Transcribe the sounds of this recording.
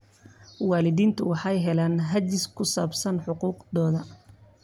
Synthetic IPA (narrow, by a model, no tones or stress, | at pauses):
wɑːlɪðiːnt̪ʰʊwɑħɑjɦɛlaːnɦɐt͡ʃɪskʰʊsaːbsɐnħʊquːqd̪ɔːðɐ